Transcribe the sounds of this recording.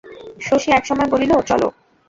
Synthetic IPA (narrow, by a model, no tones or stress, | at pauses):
ʃoʃiɛkʃɔmɔeboliloot͡ɕɔ̰lo̰k